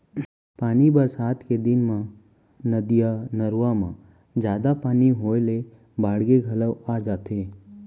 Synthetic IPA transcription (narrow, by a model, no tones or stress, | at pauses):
paːnibəɾsaːt̪ʰked̪ɪnmã | nəd̪ijanəɾamã | d͡ʒjaːd̪apaːniɦoːjle | baːɽɡeɡʱɐləʋad͡ʒaːt̪ʰeː